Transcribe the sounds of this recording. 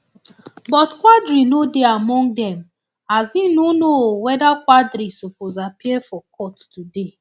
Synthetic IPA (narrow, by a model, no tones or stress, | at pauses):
bɔtkʷadɾinodeamɔ̃ŋdɛm̩ | azinunowɛdakʷwadɾisopozapiɛfɔkʰɔttude